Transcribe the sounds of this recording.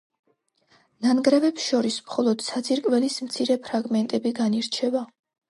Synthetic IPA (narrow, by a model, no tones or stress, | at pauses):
nanɡɾɛvɛpsʃɔɾismχɔlˠɔd̪̥sat̪sʰiɾkʼvɛlismt̪sʰiɾɛpʰɾaɡmɛnt̪ʼɛbiɡaniɾt͡ʃʰɛba